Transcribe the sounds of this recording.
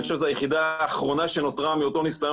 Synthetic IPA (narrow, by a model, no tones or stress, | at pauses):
ʃevzajeχid̪aːχʁo̞naʃe̞no̞t̪ʁamio̞t̪o̞nislaj